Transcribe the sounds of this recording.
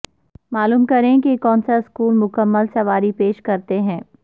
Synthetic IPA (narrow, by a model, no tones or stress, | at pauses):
maːluːmkɐɾẽkikɔːnsaɪskuːlmʊkəmːəlsɐʋaːɾipeːʃkɐɾt̪eɦɛ̃ː